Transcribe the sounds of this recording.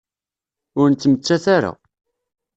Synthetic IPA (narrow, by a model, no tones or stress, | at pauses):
ʊɾnt̪ːəmət͡sːæθaɾa̰